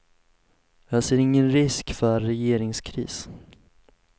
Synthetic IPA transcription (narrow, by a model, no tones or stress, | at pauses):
jɑːseːɾɪŋːənɾɪskfœːɛjeːɾɪŋskʰɾḭːs